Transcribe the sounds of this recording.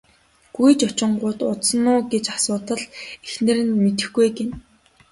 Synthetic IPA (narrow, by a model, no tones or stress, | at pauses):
ɡ̥ujt͡ɕɔt͡ɕɪ̆ɴɢʊːt̪ʊt̪sə̆nːʊːɡet͡ɕasʊːt̪ə̆ɮexnɘ̆ɾɘ̆nmet̪ɘ̆xɡujɡen